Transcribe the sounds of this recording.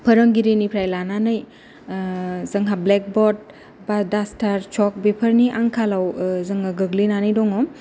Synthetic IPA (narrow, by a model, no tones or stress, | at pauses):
pʰəɾəŋɡiɾenipʰɾajlananɯj | zɐŋɦablɛk̚bɔt̚ | badastʰaɾt͡ʃɔk̚bepʰəɾniʔaŋkʰalawzəŋaɡɯɡlinanɯjdɔŋɔ